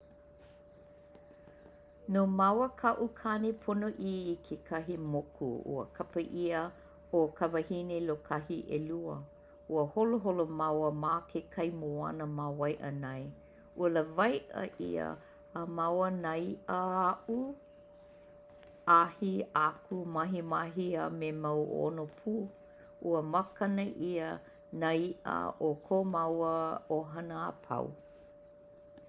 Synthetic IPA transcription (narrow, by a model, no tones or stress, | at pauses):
nomawəkʰɐʔukʰanepʰonoʔiːkʰekʰɐɦimokʰṵṵə̰kʰɐpəʔiə | okʰɐvɐhinelokʰɐɦiʔeluə | uəholoɦolomawəmakʰekʰɐjmoɐ̰nəmawɐjʔə̰nɐj | uələvɐjʔə̰ʔḭə̰ː | mawənajʔəaʔu | ahiakumɐɦimaɦiamemawo̰nopʰuː | ʔuəmakɐnəʔiə | naiʔə̰okʰomawəoɦɐnəa̰pʰɐ̰w